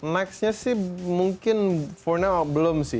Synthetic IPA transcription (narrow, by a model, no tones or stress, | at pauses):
nɛksɲasɪhmuŋkɪnfɔrnabəlomsɪ